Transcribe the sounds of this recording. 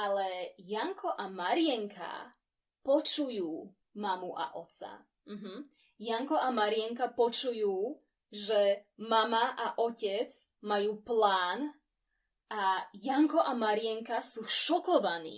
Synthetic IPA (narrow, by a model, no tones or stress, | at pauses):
alɛjaŋkɔʔamaɾɪɛŋkʰa̰ | pɔt͡ʃujuː | mamuʔa̰ʔɔt̪t͡sa̰ | m̩ɦm̩ | jaŋkɔamaɾɪɛŋkapɔt͡ʃujuː | ʒɛmamaʔaʔɔcɛd͡zmajuːplaːn | ʔajaŋkɔʔamaɾɪɛŋkasuːʃɔkɔʋanḭː